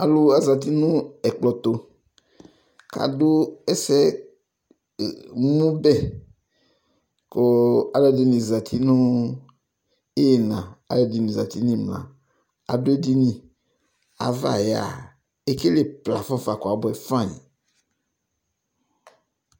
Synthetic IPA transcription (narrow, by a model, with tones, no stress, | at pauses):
a˨lo˦a˨za˨t̪̬i˦nũ˦ɛ˨k͡plɔ˨t̪o˨ | ka̰˨do˦ɛ˦sɛ˦˨ | mũ˦bɛ˦ | kɔ˨a˨lɔ˦di˦nĩ˨za˨t̪ʰi˦nũ˦ | e˦je˨nã˨a̰˨lɛ˨di˨nĩ˨za˨t̪i˦nĩ˦mlã̰˨ | a̰˨do˦e˦di˦nĩ˨ | a̰˨va̰˨ja̰˨ | e˦ke˦le˦pla˨fɔ̃˦fa˨kɔ˨a˨bɔ˨ɛ˨fã˦˨ɲḭ˨